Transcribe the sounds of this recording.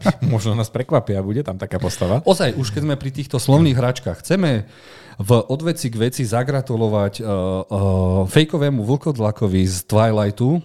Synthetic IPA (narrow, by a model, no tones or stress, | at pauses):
mɔʒnɔnaːspɾɛkʋapɪabuɟɛt̪amt̪akaːpɔst̪aʋaɔzajuʃkɛzmɛpɾit̪iːxt̪ɔslɔʊniːɣɦɾat͡ʃkaːxxːt͡sɛmɛ | vʔɔd̪ʋɛt͡siɡʋɛt͡sizaɡɾat̪ulɔʋac | fɛjkɔʋɛːmuʋl̩kɔd̪lakɔʋizt̪ʋajlajt̪u